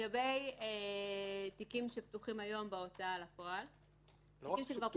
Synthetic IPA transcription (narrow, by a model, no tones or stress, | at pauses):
ɡabe̞je | t̪ikimʃep̚t̪uχimajo̞mbao̞t͡saalapo̞al | imʃekva